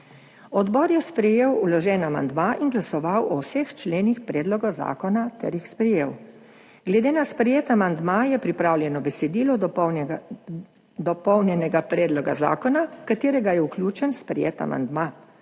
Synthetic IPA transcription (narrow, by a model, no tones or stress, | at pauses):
ɔd̪bɔːɾjɛspɾɛjeːwulɔʒɛːnama̰nd̪maʔinɡlasɔʋawɔwsext͡ʃleːnixpɾɛːd̪lɔɡɔza̰ːkɔnat̪ɛ̰ɾjixspɾɛjeːw | ɡ̥lɛd̪eːnaspɾɛjeːt̪amand̪majɛpɾipɾawljɛnɔbɛsɛd̪iːlɔ | d̪ɔpɔwnjɛnɛɡapɾɛːd̪lɔɡa̰za̰ːkɔnakat̪eːɾɛɡajɛuklʲjuːt͡ʃɛnspɾɛ̰jḛːt̪a̰ma̰nd̪ma